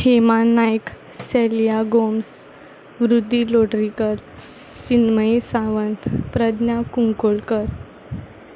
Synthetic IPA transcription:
hemannːajk | selijaɡoms | ʋɾud̪ʱːiloɽɾikəɾ | sinməisaʋənt̪pɾəd̪njakuŋkoɭkəɾ

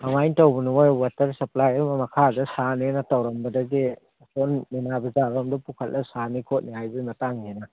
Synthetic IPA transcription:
mɐmajntɐwbɐnuŋojwatɐɾsɐplajɐmɐmɐkʰadɐsanenɐtɐwɾɐmbɐdɐɡi | sonːinabɐzabɐmdɐpukʰɐt̚lɐsanikʰot̚nihajbimɐtaŋɡenɐ

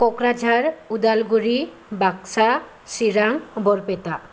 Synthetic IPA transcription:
kokɾad͡ʑaɾud̪alɡuɾi | bakʃa | ʃiɾaŋboɾpet̪a

